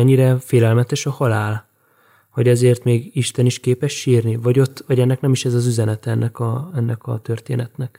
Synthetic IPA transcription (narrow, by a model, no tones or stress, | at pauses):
ɛɲːiɾɛfeːlɛlmɛt̪ɛʃɒhɒlaːl | hoɟɛzeːrt̪meːɡiʃt̪ɛniʃkeːpɛʃːiːrnivɒɟo̞t̪ːvɒɟɛnːɛknɛmiʃɛzɒzyzɛnɛt̪ɛɛnːɛkɒɛnːɛkɒ̰t̪ørt̪ḛːnɛt̪nɛk